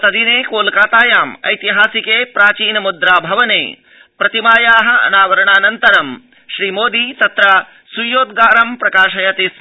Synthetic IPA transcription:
t̪ɐd̪ineːkoːlkaːt̪aːjaːmɐ̰jt̪iɦaːsikeːpɾaːt͡ʃiːnɐmud̪ɾaːbʱɐʋɐnḛː | pɾɐt̪imaːjaːɦɐ̆ɐ̰naːʋɐɾɐɳaːnɐnt̪ɐɾɐm | ʃɾiːmoːd̪it̪ɐt̪ɾɐ | sujoːd̪̚ɡaːɾɐmpɾɐkaːʃɐjɐt̪es

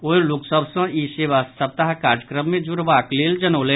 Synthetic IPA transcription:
oːeluksəbsə̃iseːʋasːəb̚t̪aɦkaːɾd͡ʒəkɾəmːẽd͡ʒuɾʋaːkleːld͡ʒənoːle

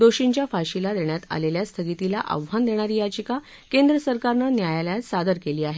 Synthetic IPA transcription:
d̪oɕiɲt͡ɕjafaɕilad̪eɳjat̪a̰leljast̪ʰəɡit̪ilaʔə̰ʋʋand̪eɽ̃aɾiːjad͡ʑika | kend̪ɾəsəɾkaɾnanjajaljasad̪əɾkeliːaɦe

